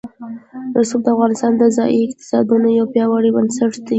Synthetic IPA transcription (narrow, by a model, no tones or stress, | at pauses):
ɾasubd̪əafɣɑnɪst̪ɑnd̪əzɑʔiɪqt̪ɪ̥sɑ̰d̪unojawpjɑwaɽibənsaʈd̪i